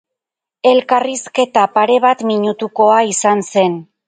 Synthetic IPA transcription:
e̞lkariske̞t̪apaɾe̞β̞at̪miɲut̪uko̞aisanse̞n

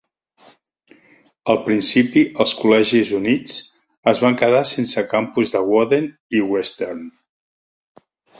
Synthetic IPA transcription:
əlˠpɾinsipiəlˠskulɛʒizunit͡s | əzβaŋkəðasensəkampuzðəɣwɔðen | iwɛst̪ern

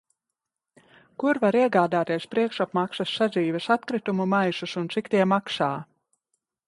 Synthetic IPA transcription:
kuɾvaɾiɛɡaːd̪aːt̪iɛspɾiɛkʃapmaksɐsːad̪ziːvɛsat̪̚kɾit̪umumajsusunt̪sikt̪iɛmaksaː

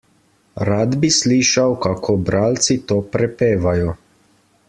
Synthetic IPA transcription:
ɾaːd̪bisliːʃawkakʰobɾaːlt̪sit̪oːpɾɛpeːʋajɔ

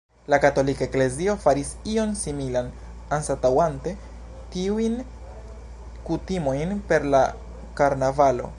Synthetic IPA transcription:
lakato̞likaekle̞zio̞faɾisio̞nsimilan | ansatawante̞ | tiuin | kutimo̞jnpe̞ɾla | kaɾnavalo̞̰

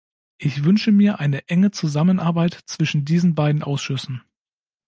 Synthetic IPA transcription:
ʔɪçv̥ʏnʃəmiːɐʔaɪnəʔɛŋət͡suzamənʔaɐbaɪtt͡sv̥ɪʃn̩diːzn̩baɪdn̩ʔaʊsʃʏsn̩

